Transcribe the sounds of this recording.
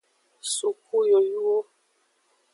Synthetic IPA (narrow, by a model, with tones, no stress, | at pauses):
su˨ku˦jo˨ju˦o˦